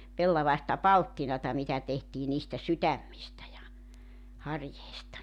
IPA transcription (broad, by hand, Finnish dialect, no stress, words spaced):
pelːɑʋɑistɑ pɑltːinɑtɑ mitæ tehtiː niːstæ sytæmːistæ jɑ hɑrjeistɑ